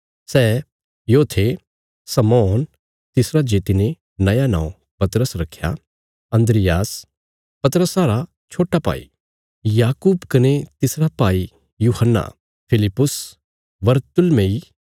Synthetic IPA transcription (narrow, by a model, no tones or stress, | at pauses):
sɛː | joːt̪ʰe | sɐmɔːn | t̪ɪsɾad͡ʒeːt̪ine | nɐjanã̰ːõ | pɐt̪ɾəsɾɐkʰːja̰ | ɐ̃nd̪ɾɪjaːs | pɐt̪ɾəsaːɾa | t͡ʃʰoːʈːapa̰ːḭ | jaːkuːbkɐnet̪ɪsɾapaːi | juːhənːa̰ | pʰɪlɪpːʊs | bɐɾt̪ʊlmẽi